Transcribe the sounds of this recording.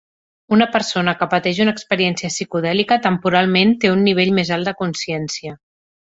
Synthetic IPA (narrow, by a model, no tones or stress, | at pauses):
unəpəɾsonəkəpət̪ɛʒunəːkspəɾiɛnsiəsikuðɛlikət̪əmpuɾalˠment̪eunːiβ̞eʎmezalˠd̪əkunsiɛnsiə